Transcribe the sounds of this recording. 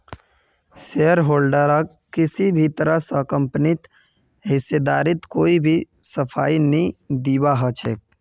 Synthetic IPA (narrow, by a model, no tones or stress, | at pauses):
seəɾɦoːlɖəɾək | kɪsibʱit̪əɾəsəkə̃mpnɪt̪ | ɦɪsed̪aːɾɪt̪koːibʱisəpʰaːinəĩd̪iːbaɦət͡ʃʰeːk̚